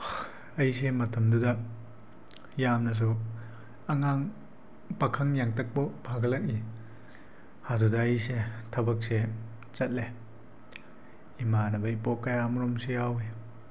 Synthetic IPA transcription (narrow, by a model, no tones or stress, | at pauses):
ɐjs̬emɐtɐmdudɐ | jamnɐs̬u | aŋaŋ | pɐkʰaŋjaŋtɐk̚bɔbʰʱaɡɐlɐk̚i | hadudɐːjsetʰɐbɐk̚se | t͡sɐt̚le | imanɐbɐjpɔkːajamɾɔmsejawi